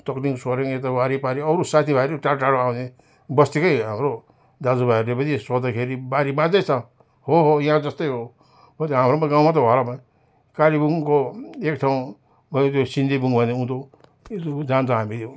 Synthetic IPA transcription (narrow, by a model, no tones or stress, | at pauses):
t̪ʌkliŋsoɾiŋet̪awaɾipaɾiʌɾusat̪ʰibʱaɾiʈaʈaɽoawne | bʌst̪ikʌjɦamɾo | d̪ad͡zubʱaɾlebʌniswʌd̪akʰeɾibaɾibãd͡zʌjt͡sʰã | hoɦojiɦãd͡zʌst̪ʌjɦo | bʱʌt̪iɦamɾomaɡaw̃mat̪̬ʌɦalaban | kaɾibuŋkoekʈʰaw̃ | bʱʌnet̪josind̪ibuŋbʱʌneũt̪o | t̪od͡zant͡sʰãɦamit̪jo